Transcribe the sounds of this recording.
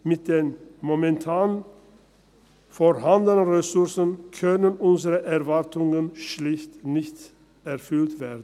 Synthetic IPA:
mɪt̚d̪̥eːnmomɛntʰaːn | fɔɾhand̪ənənʁɛsʊʁsənkʰœnənʔʊnzəʁəʔɛʁvaʁtʊŋənʃlɪçtnɪçt | ɛʁfʏltveːdn̩

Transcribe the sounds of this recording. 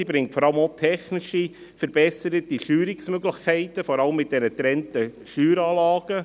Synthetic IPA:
ibɾɪŋtfɔɾɑləmotʰɛχnɪʃi | fəɾb̥ɛsəɾətiʃyːɾɪksmøɡlɪxkʰɛɪtəfɔɾɑləmːɪt̚d̥ɛnətɾɛntəʃyːɾɑːlɑːɡ̥ə

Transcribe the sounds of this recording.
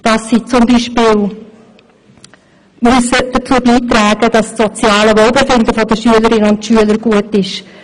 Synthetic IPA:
d̥ɑsːit͡sʊmbiːʃpiːl | myəsəd̥ət͡suːəbiːtɾɛːɡ̥əd̥ɑstsɔt͡sjɑːləʋolˠbefɪndəfɔdəʃyələɾɪnəʊntʃyələɾɡ̥uətɪʃ

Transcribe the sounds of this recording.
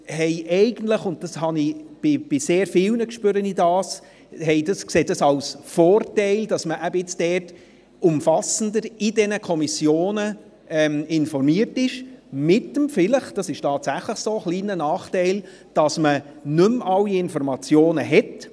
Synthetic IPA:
hɛɪʔɛɪɡ̥ən̩tləχʊnt̚d̥ɑshɑnib̥ɪb̥ɪseːɾfɪwnəkʃpøɾənidɑːs | hɛɪdɑskseːt̚d̥ɑsɑwsfɔːrtɛɪld̥ɑsməʔæbəɪt͡sd̥ɛːrt | ʊmfɑsən̩dəɾɪdɛnəkʰɔmisjoːnə | ɛmɪnfɔrmiərtɪʃmɪtəmfɪləχd̥ɑsɪʃtʰɑːtsæχləχsoːχliːnənɑːχtɛɪl | d̥ɑsmə | nɵmɑlːiɪnfɔɾmɑt͡sjoːnəɦɛt

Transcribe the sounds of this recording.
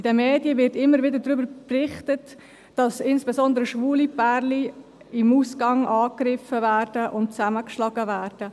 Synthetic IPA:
id̥ɛmeːdjəvɪɾtɪmːəɾvɪdədɾʏbəɾprɪχtət | d̥ɑsɪnsb̥esɔnd̪əɾəʃvuːlipæɾli | ɪmuːskɑŋʔɑːkrɪfəvæːɾd̥əʔʊnt̚t͡sæməkʃlɑɡəvæːɾd̥ə

